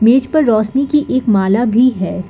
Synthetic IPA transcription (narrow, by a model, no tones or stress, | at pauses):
meːd͡ʒpɐɾːɔːsnikiʔeːkmaːlabʱiɦɛː